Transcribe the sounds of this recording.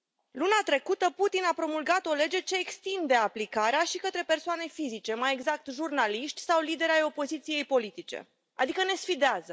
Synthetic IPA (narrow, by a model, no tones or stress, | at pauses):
lunat̪ɾe̞kut̪əput̪inapɾo̞mulɡat̪o̞le̞d͡ʒe̞t͡ʃe̞ːkst̪ind̪e̞aplikaɾeaʃikət̪ɾe̞pe̞rsoane̞fizit͡ʃe̞maje̞ɡzak̚t̪ʒurnaliʃt̪ʲsawlid̪e̞ɾajo̞po̞zit̪sije̞jpo̞lit̪it͡ʃe̞̰ | a̰d̪ikəne̞sfid̪eazə